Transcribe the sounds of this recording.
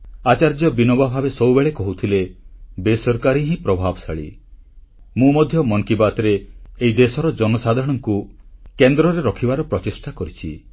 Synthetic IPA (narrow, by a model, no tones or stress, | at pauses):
at͡ʃaɾd͡ʒɔbinɔbabʱabesɔwbeɭekɔɦut̪ʰilebesɔɾkaɾiɦĩpɾɔbʱabɔsaɭḭ | mũmɔd̪ʱjɔmɔŋkibat̪ɔɾeːid̪esɔɾɔd͡ʒɔnɔsad̪ʱɾɔɽ̃ɔŋkukend̪ɾɔɾeɾɔkʰibaɾɔpɾɔt͡ʃesʈakɔɾit͡ʃʰi